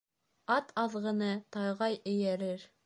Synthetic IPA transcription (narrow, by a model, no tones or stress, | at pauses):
ɑt̪ʰɑðʁɤ̆nɤt̪ɑjʁɑjɘ̆jæɾɘɾ